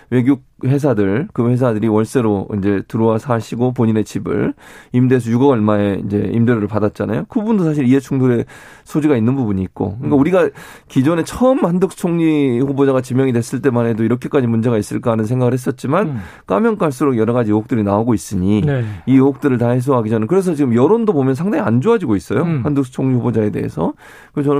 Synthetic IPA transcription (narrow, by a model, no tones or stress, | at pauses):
we̞ɡjuk̚he̞s̬ʰadɯɭkɯɸwe̞s̬ʰadɯɾiwʌɭs͈e̞ɾoḭnd͡ʑe̞tɯɾowasʰaɕʰiɡop̬oɲine̞t͡ɕibɯ̰ɭimde̞s̬ʰʌjuɡʌɡʌɭmaeḭnd͡ʑe̞imdeɾoɾɯɭpadat̚t͡ɕ͈ana̰jokɯbbundosʰaɕ̬ʰiɾie̞t͡ɕʰuŋdoɾe̞ | sʰod͡ʑiɡainːɯnbubuɲiːk̚k͈o̰kɯk͈auɾiɡakid͡ʑone̞t͡ɕʰʌɯmːandɯk̚t͡ɕʰoŋɲihɸobod͡ʑaɣat͡ɕimjʌŋidwe̞s͈ɯɭt͈e̞manedoiɾʌkʰe̞k͈ad͡ʑimund͡ʑe̞ɡais͈ɯɭk͈aanɯnsʰeŋɡaɣɯɭhes͈ʌt̚t͡ɕ͈iman | k͈a̰mjʌŋk͈aɭs̬͈uɾoɡjʌɾʌɣad͡ʑiook̚t͈ɯɾinaoɡois͈ɯɲiniook̚t͈ɯɾɯɭtaɦes̬ʰoɦaɡid͡ʑanakɯɾe̞s̬ʰʌt͡ɕiɡɯmjʌɾondopomjʌnsʰaŋdaŋia̰nd͡ʑoad͡ʑiɡois͈ʌjohandɯk̚sʰt͡ɕʰoŋɲihobod͡ʑae̞de̞̰ɦḛsʰʌ | kɯt͡ɕʌn